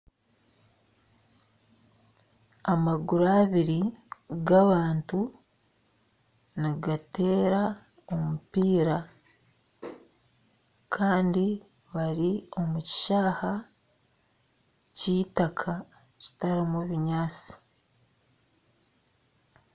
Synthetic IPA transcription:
amaɡuɾaːβiɾiɡaβaːntu | niɡate̞ːɾa | o̞mupiːɾa | kʰaːndi | βaɾio̞muci̥ʃaːha | ciːtakʰa | ci̥taɾimuβiɲaːt͡si̥

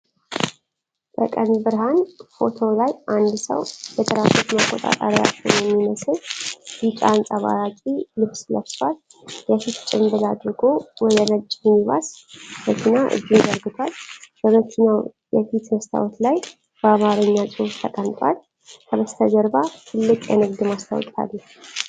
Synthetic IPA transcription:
b̪̥əkʼənbɨɾɦanfo̞t̪ʰo̞lajʔand̪sə̰wbɛt̪ʰʼəɾafot̪makʼːot̪ʼa̰t̪ʼa̰ɾija̰t͡ʃːɛ̰wnjɛmːiməsɨjit͡ʃʼansʼaβa̰ɾakʼilɨβsləβswal | jɛfit̪t͡ʃʼɪmbɨlad̪ɾɨɡo̞wɔd̪ənət͡ʃʼmiβa̰sbət̪ʰinaʔɨ̰d͡ʒːimd̪əɾɡɨt̪ʰwalbəmət̪ʰina | jɛfit̪məst̪ʰa̰wɔt̪laj | b̥əamaɾɨɲːasʼɨhuft̪ʰəkʼənt̪ʼwa̰l | kʰəβəst̪ʰəd̪əɾbat̪ʰɨlːɨkʼjɛ̰nɨɡd̪ɨmast̪ʰa̰wkʼa̰lːəh

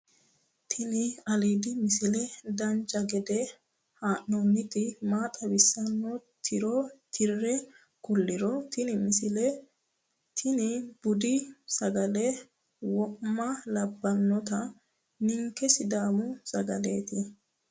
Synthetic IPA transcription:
t̪ʰɪnɪɐleːd̪ɪmɪsɪlɛd̪ɐnt͡ʃʼːɐɡɛd̪ɛ | haːʔːɔnːɪt̪ɪmaːt̪ʼɐbɪsːɐnːɔt̪ʰɪɾɔt̪ʰɪrːɛ | kʊlːɪɾɔt̪ɪnɪmɪsɪlɛ | t̪ʰɪnɪb̥ʊd̪ɪsɐɡɐlɛ | wɔʔmːɐlɐbːɐnːɔt̪ɐ | nɪŋkːɛsɪd̪aːmʊsɐɡɐleːt̪ɪ

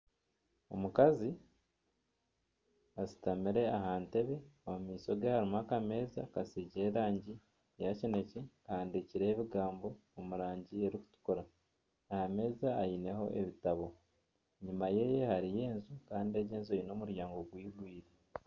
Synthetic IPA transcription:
o̞mukazi | asi̥tamiɾe̞ahaːnte̞βe̞omumiːso̞ɡehaɾimakame̞ːzakasiːɟe̞ɾaːɲɟi | jacine̞cekaːndiciɾe̞ːβiɡaːmbo̞ːmuɾaːɲɟie̞ɾiku̥tu̥koɾa | ahame̞ːzaːjine̞ɦo̞̰ʔeβitaβo̞ | ɲimaje̞ːjehaɾije̞ːnzukaːndie̞ɟeːnzuino̞ːmuɾjaːŋɡo̞ɡwiːɡwiːɾe

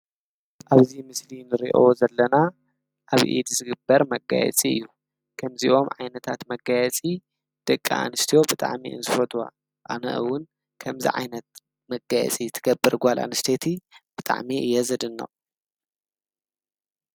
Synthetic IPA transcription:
ʔaβzimɨslinɨɾḭʔo̰ozɐlːɐna | ʔaβʔḭd̪zɨɡɨbːɐɾmɐɡa̰jɛ̰t͡sʼiɨ̰jːu | kʰɐmziʔo̞mʕa̰jnɐt̪ʰat̪mɐɡajɛt͡sʼi | d̪̥ɐkʼːa̰a̰nɨst̪ʰijo̞bɨt̪ʼa̰ʕmḭʔɨ̰nzɨfɐt̪ʰuwa̰ | ʔa̰nɐ̰ʔɨwʊn | kʰɐmzḭʕa̰jnɐt̪̚ | mɐɡajɛ̰t͡sʼit̪ʰɨɡɐbːɨɾɡʷalʔa̰nɨst̪ʰet̪ʰib̥ɨt̪ʼa̰ʕmiʔɨjːɛzɐd̪ɨnːɐ̰

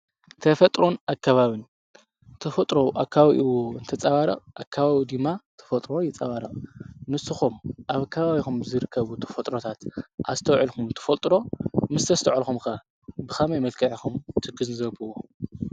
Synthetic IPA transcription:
t̪ʰɐfɐt̪ʼɾonakʰːaβaβin | t̪ʰɐfɐt̪ʼɾoʔakʰːaβaβḭʔɨwoɨnt̪ʰɐt͡sʼaβaɾɐ̰qʼʔakʰːaβaβid̪ɨmːat̪ʰɐ̥fɐt̪ʼɾojɛt͡sʼaβaɾɐqʼnɨsɨxumʔaβkʰːɐβaβixumzɨɾɨkʰːɐβut̪ʰɐ̥fɐt̪ʼɾot̪ʰat̪ʔazt̪ʰɐwʕɨlxumt̪ʰɐ̥fɐlt̪ʼɾo̞mɨst̪ʰɐst̪ʰɐʕalxumka | bɨxamajmɐlkʰɐʕixumt̪ʰɨɡɨznzɐbɨwo

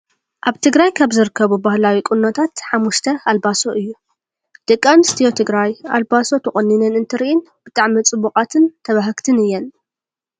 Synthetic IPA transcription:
ʔaβt̪ʰɨɡɾajkʰaβzɨɾɨkʰːɐβubahlawikʼʊnːot̪ʰat̪ħamːuʃt̪ʰɐalbaso̞ʔɨjːu | d̪̥ɨkʼːamɨst̪ʰijot̪ʰɨɡɾajalbaso̞t̪ʰɐχʼɐnːinɨnɨnt̪ʰɨɾiʔɪn | b̥ɨt̪ʼaʕmit͡sʼɨbuqʼat̪ʰɨnt̪ʰɐβaɦɨkt̪ʰɨnɨjːɛn

